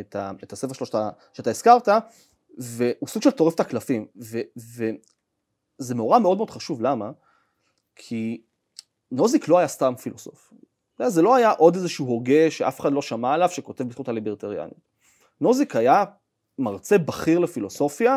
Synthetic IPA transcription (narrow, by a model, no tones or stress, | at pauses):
et̪aet̪asefeʃeoʃt̪aʃeat̪aiskaʁt̪a | veusuɡ̥ʃelt̪o̞ʁeft̪aklafimveve | zemeoʁameo̞d̪meod̪χaʃuvlama | kʰi | no̞ziklo̞hajast̪amfiloso̞̰f | azelo̞ajaʔo̞d̪ezeʃuuɦo̞ɡe̞ʃeʔafe̥χadlo̞ʃamaelavʃeko̞t̪e̞vbit̪χutalibeʁt̪eʁja̰nit | no̞zikaja | maʁt͡se̞baχiʁlefilo̞so̞fja